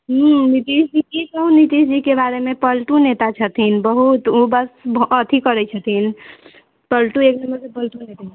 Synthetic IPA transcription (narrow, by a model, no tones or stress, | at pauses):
ɦunit̪iːsd͡ʒikikəũnit̪iːsd͡ʒikebaːɾemẽpəlʈũnet̪at͡ʃʰət̪ʰinbəɦut̪obəsbət̪ʰikəɾɛt͡ʃʰət̪ʰin | pəlʈũeːknəməɾkepəlʈunet̪a